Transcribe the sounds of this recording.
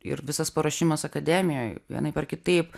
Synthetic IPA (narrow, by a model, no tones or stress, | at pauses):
ɪ̰ɾʋʲɪsɐspɐɾɐʃʲɪmɐsɐkɐd̪ʲæːmʲɪjoːjʋʲḭnɐɪpʲɛrkʲɪt̪ɐɪp